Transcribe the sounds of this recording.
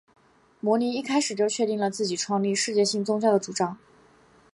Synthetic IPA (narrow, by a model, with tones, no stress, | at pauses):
mwɔ˧˥ni˧˥i˥˩kʰa˥ɪʂɻ̩˨˩t͡ɕjo˥˧ʊt͡ɕʰɥɛ˥˧t̪i˥˩ŋlə˩t͡sɹ̩˥˩t͡ɕi˨˩ʈ͡ʂʰwɑ˥˧ŋli˥˧ʂɻ̩˥˧t͡ɕjɛ˥˧ɕi˥˩ŋt͡sʊ˥ŋt͡ɕjɑ˥˩ʊd̪ə˩ʈ͡ʂu˨˩ʈ͡ʂɑ˥ŋ